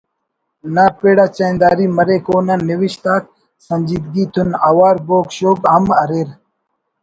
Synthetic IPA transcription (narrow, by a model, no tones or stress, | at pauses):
naːpeːɽaːt͡ɕajnd̪aːɾiːmɐɾeːkoːnaniwiɕt̪aːk̪̚ | sɐnd͡ʑiːd̪ɡiːt̪ʰunaːwaːɾboːkɕoːbɦɐmɐɾeːɾ